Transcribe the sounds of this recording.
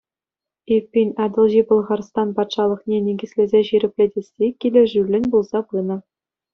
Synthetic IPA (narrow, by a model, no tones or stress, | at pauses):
epʲːinʲɑd̪ɤ̆lˠʑipɤ̆lˠʁɑrst̪ɑnpɑt̪ʂɑlˠɤ̆χnʲenʲeɡʲɘ̆sʲlʲezʲeɕiɾʲɘ̆pʲlʲedʲesʲːekʲilʲɘ̆ʐylʲːɘ̆nʲbulˠzɑpɯnɤ̆